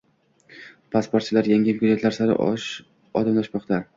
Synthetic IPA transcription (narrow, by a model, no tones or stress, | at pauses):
pʰaspoɾt̪̚t͡ʃʰɪlaɾjaŋʲɪmʲkʰʲʊzet̪ʰlaɾsaɾɪ̰ʔʃ | ɒd̪amlaʃmɒqt̪ʰa